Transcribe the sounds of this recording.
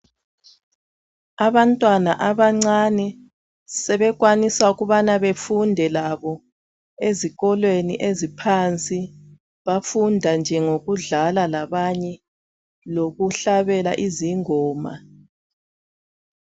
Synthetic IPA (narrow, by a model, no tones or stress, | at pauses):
aβantʼwanaʔaβaŋ͡ǀanɛ | sɛβɛɣwanisauɣuβanaβefundʱɛlaβɔ | eziɣɔlweniʔezipʰant͡sʼi | βafundʱand͡ʒʱɛŋoɣuɮalalaβaɲɛ | loɣuɬaβɛla̰ʔiziŋɔːma̰